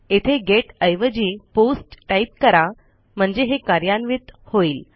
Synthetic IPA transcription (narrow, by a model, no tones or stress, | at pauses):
et̪ʰeɡeʈəjʋəd͡ʑiːposʈʈaip̚kəɾa | m̤əɳd͡zeɦekaɾjanʋit̪hoiːl